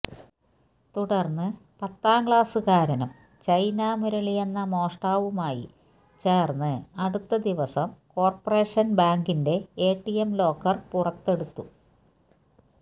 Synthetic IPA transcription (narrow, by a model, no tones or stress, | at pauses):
t̪uɽɐrnːɨpɐt̪ːaːŋɡɭaːsɨkaːɾɐnɐm | t͡ɕɐjnaːmuɾɐɭijenːɐmo̞ːʂʈaːʋumaːjḭ | t͡ɕe̞ːrnːɨɐɽut̪ːɐd̪iʋɐsɐmko̞ːrpore̞ːʂɐnbaːŋɡinde̞eːʈːijemlo̞ːkːɐrpurɐt̪ːe̞ɽut̪ːu